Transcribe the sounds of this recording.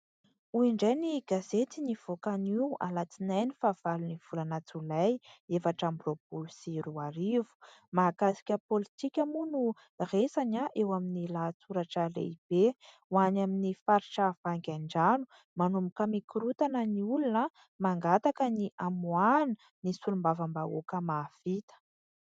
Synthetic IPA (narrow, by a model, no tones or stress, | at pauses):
uiɳɖ͡ʐajniɡazet͡s̪iniv̥okania̰lat͡sinajnifaːv̥aluniv̥ulanat͡sulajefaʈ͡ʂambrobulusiɾuaɾivu̥maːkasi̥kʲəpolit̪ikʲamunu | resaɲaʔewaminilaːt͡suɾaʈ͡ʂəlḛib̥e | wanaminifaɾiʈ͡ʂav̥aŋɡʲaɳɖ͡ʐanu | manumukəmikuɾut̪anəniulunə | maŋɡat̪akəniʔamuani̥ | nisulumbavambao̰kəmafit̪ə̥